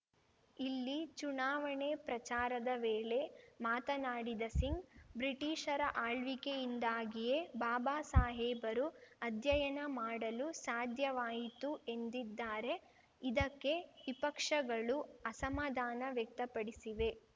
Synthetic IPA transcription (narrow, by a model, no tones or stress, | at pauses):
ilːit͡ʃunaːʋɐɳepɾɐt͡ʃaːɾɐd̪ɐʋeːɭe̞maːt̪ɐnaːɽid̪ɐsiŋɡbɾiʈiːʂɐɾɐʔaːɭʋikejind̪aːɡije̞baːbaːsaːɦɛːbɐɾuɐd̪ʱjɐjɐnɐmaːɽɐlusaːd̪ʱjɐʋaːjit̪ue̞nd̪id̪ːaːɾe̞ | id̪ɐkːe̞ʋipɐkʂɐɡɐɭuɐsɐmaːd̪ʱaːnɐʋjɐk̚t̪ɐpɐɽisiʋe̞